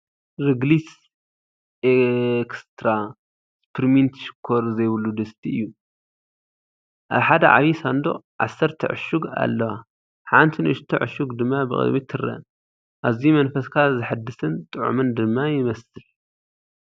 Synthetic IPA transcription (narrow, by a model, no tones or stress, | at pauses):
ɾɨɡlis | ʔekst̪ʰɾa | spʰɨɾmint̪ʃɨ̥kʰːoɾzɐjβɨlːud̪ɨst̪ʰiʔɨ̰jːu | ʔaβħad̪ɐ̰ʕa̰βisand̪o̞̰ʕa̰sːɐɾt̪ʰɨ̰ʕɨ̰ʃuɡa̰lːɐwa | ħant̪ʰinɨ̰ʃt̪ʰɨʕʊ̰ʃuɡd̪ɨmːabɨ̰kʼɨ̰d̪mit̪ʰːɨrɐ̰n | ʔaβzimɐnfɐskʰazɨħad̪ːɨsɨnt̪ʼɨʕṵmɨnd̪ɨmːajɪmɐsɨl